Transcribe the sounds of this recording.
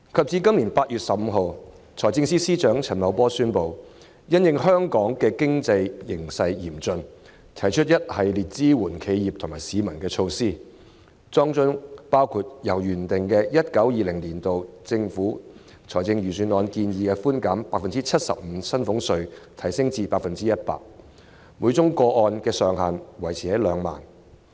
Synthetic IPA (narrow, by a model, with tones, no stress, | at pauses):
kʰɐ˨p̚t͡siː˧kɐ˥mliː˨˩npaː˧t̚jyː˨t̚sɐ˨p̚m̩˨˧ɦo˨w | t͡sʰɔː˨˩jt͡sɪ˧ŋsiː˥siː˥t͡ʃœː˨˥ŋt͡sʰɐ˨˩nmɐ˨˧wpɔː˥syː˥npo˨w | jɐ˥njɪ˨˧ŋhœː˥ŋkɔː˨˥ŋkɛː˧kɪ˥ŋt͡sɐ˧jːɪ˨˩ŋsɐ˧jjiː˨˩mt͡sɵ˧n | t̪ʰɐ˨˩jt͡ʃʰɵ˥t̚jɐ˥t̚hɐ˨jliː˨˩t̚t͡siː˥wuː˨˩nkʰe˨˧jjiː˨p̚t̪ʰʊ˨˩ŋmaː˨˩jsiː˨˧mɐ˨˩nkɛː˧t͡ʃʰo˧wsiː˥ | t͡sɔː˥ŋt͡ʃʊ˥ŋpaː˥wkʰuː˧t̚jɐ˨˩wjyː˨˩nt̪ɪ˨ŋkɛː˧jɐ˥t̚kɐ˨˥wjiː˨˧lɪ˨˩ŋliː˨˩nt̪o˨wt͡sɪ˧ŋfuː˨˥ | t͡sʰɔː˨˩jt͡sɪ˧ŋjyː˨˩syː˨˥nɔː˧nkiː˧njiː˨kɛː˧fuː˥nkaː˨˥mpaː˧k̚fɐ˨nt͡siː˥t͡sʰɐ˥t̚sɐ̰˨p̚m̩ː˨˥sɐ˥nfʊ˨˥ŋsɵ˧ɥt̪ʰɐ˨˩jsɪ˥ŋt͡siː˧paː˧k̚fɐ˨nt͡siː˥jɐ˥t̚pa̰ː˧k̚ | muː˨˧˥t͡sʊ˥ŋkɔː˧ʔɔː˧nkɛː˧sœː˨ŋhaː˨˩nwɐ˨˩jt͡sʰiː˨hɐ˨˥jlœː˨˧ŋma̰ː˨˩n